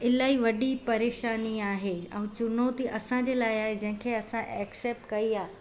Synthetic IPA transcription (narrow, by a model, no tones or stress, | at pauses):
ɪlaːiʋɐɗipɐɾeːʃaːniaːɦeɛ̃ːt͡ɕʊnoːt̪iʔɐsãd͡ʑeːlaːɪaːɦed͡ʑɐ̃ɦɪ̃kʰeɐsãʔɛːkseːp̚ʈkɐiaː